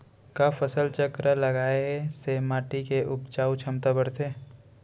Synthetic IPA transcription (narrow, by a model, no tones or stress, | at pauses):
kaːfʰəsəlt͡ʃəkɾalɐɡaːesemaːʈikeʔʊpt͡ʃaːut͡ʃʰɐmt̪abəɽt̪ʰeː